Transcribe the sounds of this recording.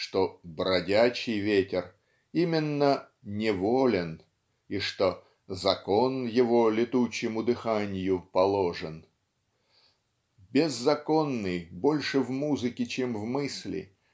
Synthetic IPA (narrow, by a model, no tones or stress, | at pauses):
ʂt̪o̞bɾɐdʲæt͡ɕɪjvʲetʲɪr | imʲɪnːə | nʲɪvolʲɪn | iʂt̪o̞ | zɐko̞njɪvo̞lʲɪt̪ut͡ɕːɪmʊd̪ɨxanʲɪjʊpɐlˠo̞ʐɨn | bʲɪzːɐko̞nːɨjbo̞lʲʂɨvmuzɨkʲɪt͡ɕemvmɨsʲlʲɪ̰